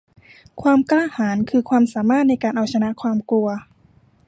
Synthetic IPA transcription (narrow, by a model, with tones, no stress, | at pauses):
kʰwaː˧mklaː˥˩haː˩˦nkʰɯː˧kʰwaː˧msaː˩˦maː˥˩t̪̚na˧˥jkaː˨˩nʔa˨˩wt͡ɕʰa˧na˧˥ʔkʰwaː˧mku˧ɐ